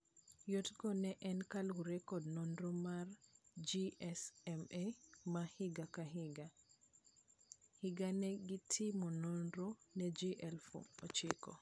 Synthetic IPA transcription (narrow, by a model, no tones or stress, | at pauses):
jotɡɔnɛʔɛnkalɡuɾɛkɔdnɔndɔmaɾd͡ʒiɛsɛmemahiɡakaɦiɡa | hiɡanɛɡitʰːimɔnɔndɔnɛd͡ʒiʔɛlfo̰ɔt͡ʃikɔ̰